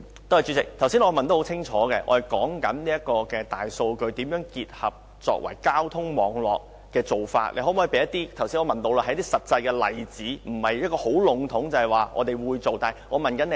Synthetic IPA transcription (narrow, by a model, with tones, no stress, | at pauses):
t̪o˥hɐ˨jt͡ʃy˨˧˥t͡sɪ˨k̚t̪ʰwsi˥nŋɔː˧mɐ˨nt̪o˥ho˨˥wt͡sʰɪ˥ŋt͡ʃʰɔː˨˦kɛː˧ʔɔ̰˧hɐ˨jkɔː˨˥ŋkɐ˨˥nliː˥ɐ˥t̚kːɔː˧kɛː˧t̪a̰ː˨jso˧wkɵ˧ɥt̪iː˨˥mjœː˨˥ŋkiː˧t̚hɐ̰˨p̚ | t͡ʃɔ̰ː˧k̚wɐ̰˨˩jkaː˥wt̪ʰʊ˥ŋmɔː˨˧ŋlɔ̰ː˨k̚ːɛː˧t͡so˨˩wfa̰ː˧t̚lḛ˨˧hɦɔ˨˥mɔː˨˥˨pe˨˧jɐ˥t̪ːiː˥t̪ʰwsiː˥nɔː˧mɐ˨nt̪o˧wlaː˧ɐ˨˧jɐ˥t̪iː˥sɐ˨t̚t͡sɐ˧jkɛː˧lɐ̰˨jt͡siː˨˥m̩˨˩hɐ˨jjɐ˥t̚kɔː˧ho˨˥wlʊ˨˥ŋt̪ʰʊ˨˥ŋt͡sɐ˨hɐ˨˩jwaː˨ŋɔ̰ː˨˧t̪e˨˩jwuː˨˧jt͡so˨wt̪aː˨ŋɔː˨˧mɐ˨nkɐ˨˥ne˨˧